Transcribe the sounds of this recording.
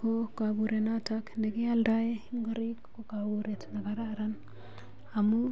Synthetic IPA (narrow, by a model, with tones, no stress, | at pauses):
ko˦kabu˨ɾe˨na˦ta˦knde˨ɡi˦a˦lda˦je˦iŋɡo˦ɾi˦kko˦ɡa˨bu˨ɾe˨tna˨ɡa˦ɾa˦ɾa˦n | a˨mu˦